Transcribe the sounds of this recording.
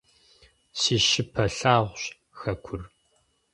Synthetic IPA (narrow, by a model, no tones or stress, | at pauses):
siːʃɪpʰɐɬaːʁʷɕ | xɐkʷʰʊr